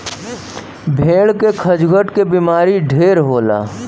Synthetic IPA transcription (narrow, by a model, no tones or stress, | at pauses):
bʱeːɽkekʰəd͡ʒɡʱəʈkebimaːɾiɖʱeːɾɦoːla̰ː